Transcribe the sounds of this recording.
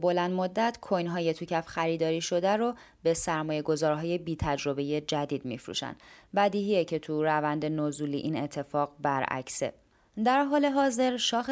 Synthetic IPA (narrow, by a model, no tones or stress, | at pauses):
bo̞lænd̪mod̪ːæt̪ʰkʰojnɦɒːje̞t̪ʰucʰæfxæɾiːd̪ɒːɾiːʃo̞d̪æɾo | be̞sæɾmɒːje̞ɡozɒːɾɦɒːje̞biːt̪ʰæd͡ʒɾo̞be̞je̞d͡ʒæd̪iːd̪mḭfɾṵʃæ̰nd̪bæd̪iːɦijecʰe̞t̪ʰuɾævænd̪enozuːlḭʔine̞t̪ʰːe̞fɒːɣbæɾæ̰cʰse̞̰ | d̪æɾɦɒːle̞ɦɒːze̞ɾʃɒːx